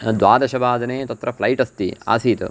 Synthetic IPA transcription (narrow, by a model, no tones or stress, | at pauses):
d̪ʋaːd̪ɐʃɐbaːd̪ɐneːt̪ɐt̪ɾɐpʰlɐjʈɐst̪ia̰ːsiːt̪ɐ̰